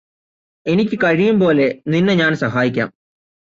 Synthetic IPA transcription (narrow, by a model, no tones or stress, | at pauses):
e̞nikʲːɨkɐɻijumpo̞ːle̞ninːɨɲaːnsɐɦaːjikʲːa̰ːm